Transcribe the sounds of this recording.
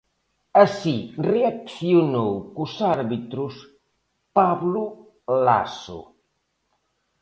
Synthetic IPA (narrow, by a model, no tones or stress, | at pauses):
əsireakθiunowkusaɾβit̪ɾus | paβlu | la̰sṵ